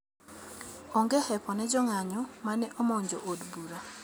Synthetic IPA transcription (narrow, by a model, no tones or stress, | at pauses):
ɔŋɡɛhɛpɔnɛd͡ʒɔŋaɲɔmanɛʔɔmɔɲd͡ʒoʔodbuɾa